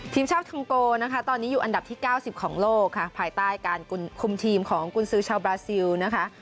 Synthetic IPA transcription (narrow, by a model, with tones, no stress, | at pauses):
t̪ʰiː˧mt͡ɕʰaː˥˩p̚kʰa˧mkoː˧na˦˥kʰa˦˥t̪ɔː˧nːiː˦˥juː˨˩ʔa˧nda˨˩t̪ʰiː˥˩kaː˥˩wsi˨˩p̚kʰɔː˩˦ŋloː˥˩kʰːa˥˩pʰaː˧jt̪aː˥˩jkaː˧nku˧nkʰu˧mt̪ʰiː˧mkʰɔː˩˦ŋku˧nsɯː˦˥t͡ɕʰaː˧wbɾaː˧si˧wna˦˥kʰa˦˥ʔ